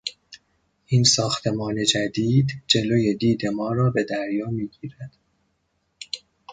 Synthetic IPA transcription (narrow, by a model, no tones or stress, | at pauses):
ʔiːnsɒːxt̪ʰe̞mɒːne̞d͡ʒæd̪iːd̪d͡ʒe̞loje̞d̪iːd̪e̞mɒːɾɒːbe̞d̪æɾjɒːmiːɡiːɾæd̪̥